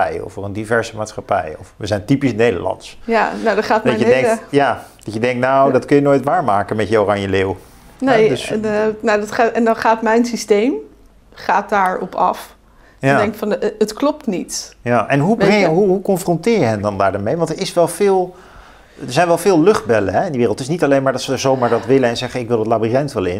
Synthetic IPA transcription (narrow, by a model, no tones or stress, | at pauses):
ɛjɔ̰frəndivɛɹzəmaːtsχapɛ̰jɔfʋəzɛjntipisnejdə̰lɑ̰ntsjanowdɔχaːtdɑədɛŋkjaːd̥ɑtjədɛŋk̚tnawdɑtkɵnjənoːjtʋaːɹmaːkənmɛtjəorɑɲjəlew | nedsnawdtχaɛndɑnχaːtmɛjnsistejm | χaːt̚daːɹɔ̰pɑ̰f | jdɛŋkfɑnətklɔp̚tnitjaʔɛnɦubɛŋjəɦuɦukɔnfrɔntɪːɹjəɦɛndɑndaːɹdɔɹmejʋɑntəɹɪsʋɛlˠvɪːlˠ | dəɹzɛjnʋɛlˠvɪːlˠlɵχd̚bɛləɦɛɪndəʋɪːrlˠtɪsnitɑlejnmaːɹdɑtsəəɹzowmaːɹdɑtʋɪlənɛnzɛχənɪkʋɪlˠətlaːbiɛntʋɛlˠɪ̰n